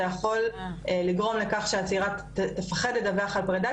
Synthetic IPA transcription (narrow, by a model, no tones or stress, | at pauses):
jaχo̞leliɡʁo̞mle̞kaχʃeat͡siʁat | tefaχe̞detdaveaχalpʁed̪a